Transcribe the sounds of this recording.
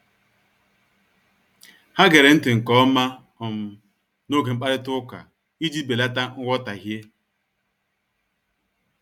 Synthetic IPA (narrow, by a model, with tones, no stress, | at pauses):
ha˦ɡe˨ɾe˨n̩˦tɪ˨ŋ̩˨kɔ˦ɔ˦ma˦ | ɔ˨m̩˨ | no˦ɡe˨ŋ͡m̩˦k͡pa˦ɾɪ˦tʊ˦ka̰˨ | i˦d͡ʒi˦be˨la˦ta˦ŋ̩˦ɡʷɔ˦ta˨ɦje˦